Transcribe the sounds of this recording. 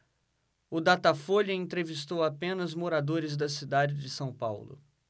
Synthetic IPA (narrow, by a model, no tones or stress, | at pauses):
ʊd̪at̪afoʎɐẽnt̪ɾevist̪owapẽnɐzmoɾad̪oɾɪzd̪ɐsid̪ad͡ʒɪd͡ʒɪsɐ̃w̃pa̰wlʊ̰